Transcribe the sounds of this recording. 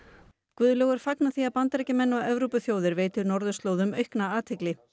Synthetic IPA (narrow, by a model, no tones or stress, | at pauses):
kvʏðlœɣʏɾ̥faknaθiaðpant̪ɾɛcɪmɛnːaʔɛvɾowpʏθjoːwðɪɾveːjt̪ʏɾnɔɾðʏst̪loːwðʏmœɥhknaaːt̪ʰhɪklɪ